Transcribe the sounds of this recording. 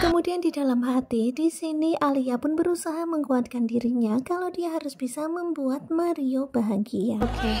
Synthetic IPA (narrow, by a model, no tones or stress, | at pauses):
kəmudiandidalamɦat̪idisiniʔaliapʊnbəɾusaɦaməŋuat̪̚kandiɾiɲakalawdiaɦaɾʊsb̥isaməmbuat̪̚maɾiobaɦaŋɡiaoke